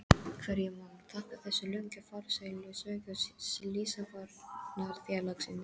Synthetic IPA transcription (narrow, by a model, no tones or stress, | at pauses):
kʰvɛɾjɛmaːwnt̪ʰahkɪ̥θɛsːʏlœɥɲcʏfaɾsajlʏsekʏslisafaɾnaɾθjalaksɪnːɪ